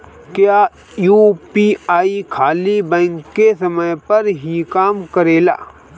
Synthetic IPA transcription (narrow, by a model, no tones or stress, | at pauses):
kjaː | juːpiaːikʰaːlibɛ̃ːŋkːesəməjpɐɾɦikaːmkəɾeːla̰ː